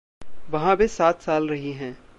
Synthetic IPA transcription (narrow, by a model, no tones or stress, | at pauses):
ʋɐɦãbʱisaːt̪saːlɾɐɦiɦɛ̃ː